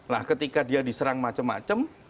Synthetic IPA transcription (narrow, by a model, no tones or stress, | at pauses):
lahkət̪ikadiadisəɾaŋmat͡ʃəmːa̰t͡ʃəm